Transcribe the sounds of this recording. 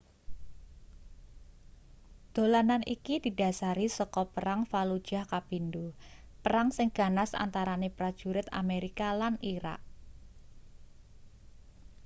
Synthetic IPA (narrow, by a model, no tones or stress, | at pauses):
d̪̥o̤lananʔikid̪̥i̤da̤saɾisɔkɔpəɾaŋfalud̥ʒ̥a̤hkapindupəɾaŋsɪŋɡ̥a̤nasa̰nt̪aɾanepɾad̥ʒ̥ṳɾɪt̪a̰meɾikalaniɾa̰k̚